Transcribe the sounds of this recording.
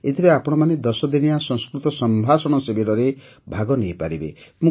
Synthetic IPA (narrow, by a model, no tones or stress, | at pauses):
et̪ʰiɾeapɔɽ̃ɔmaned̪ɔsɔd̪inijasɔ̃ŋskɾut̪ɔsɔmbʱasɔɽ̃ɔsebeɾɔɾe | bʱaɡɔnejpaɾibḛmũ